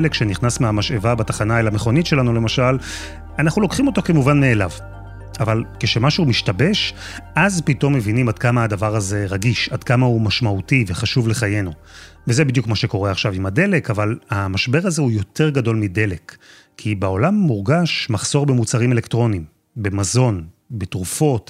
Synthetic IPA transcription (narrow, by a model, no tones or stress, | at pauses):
lekʃeniχnasmeamaʃe̞vabatḁχanaelame̞χo̞nitʃe̞lanule̞maʃal | anaχnulo̞kχimo̞to̞ke̞muvanme̞ːlav | ʔavalkeʃe̞maʃumiʃtabe̞ʃ | ʔazpito̞mːe̞vinimad̚kamaadavaʁaze̞ʁaɡiʃadkamaumaʃmautiveχaʃuvle̞χaje̞novezebid̪jukmaʃe̞ko̞ʁeaχʃavimade̞lekavalamaʃbe̞ʁaze̞ujo̞tʰe̞ʁɡado̞lmide̞le̞kʰː | ibeo̞lamːuʁɡaʃmaχso̞ʁbemut͡saʁime̞lektʁo̞nim | bemazo̞n | betʁufo̞t